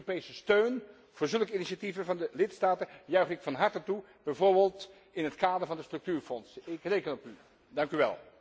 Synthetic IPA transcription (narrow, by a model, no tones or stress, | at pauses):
opejsəstøɥn | v̥ʊːɹzɵlˠkəiniʃativənvɑndəlɪtstaːtəjœɥχdɪkfɑnɦɑɹtətu | b̥ɛjvoːɹbelˠt | ɪnɦətkaːdəɹvɑndəstrɵk̚tyːɹfɔnsɪkrejkənɔpy | dɑŋkyʋɛ̰lˠ